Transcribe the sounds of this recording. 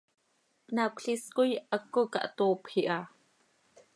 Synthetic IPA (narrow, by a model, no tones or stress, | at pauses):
nakɬiskujakːoka̰ʔt̪oːpxiʔa